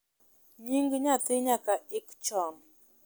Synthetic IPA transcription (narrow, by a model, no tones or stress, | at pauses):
ɲiŋɡiɲat̪iɲakaikt͡ʃɔm